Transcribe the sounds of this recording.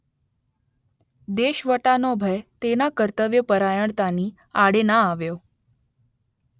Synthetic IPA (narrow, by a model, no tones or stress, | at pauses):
d̪eɕʋəʈanɔbʱəjt̪enakəɾt̪əʋjəpəɾajəɳt̪aniː | aɽenaːʋjo